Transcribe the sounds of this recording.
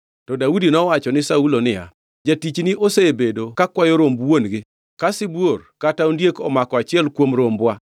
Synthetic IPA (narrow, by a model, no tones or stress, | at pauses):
tɔdaudinɔwat͡ʃɔnɪsaulonɪja̰ | d͡ʒatit͡ʃniʔoseebedokakwajoɾombwonɡɪ | kasɪbworkataundjekɔmakɔat͡ʃɪɛlkwomɾombwa